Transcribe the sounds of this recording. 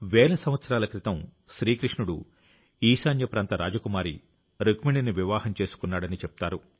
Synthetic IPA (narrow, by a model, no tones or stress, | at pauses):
ʋɛːlɐsɐm̃ʋɐt̪sɐɾaːlɐkɾit̪ɐmʃɾiːkɾiʂɳuɽu | iːʃaːnjɐpɾaːnt̪ɐɾa̰ːd͡ʒɐkumaːɾḭ | ɾɐkmiɳɖiniʋiʋaːhɐmt͡ʃe̞ːsu̥kunːaːɽɐnit͡ʃepu̥t̪aːɾu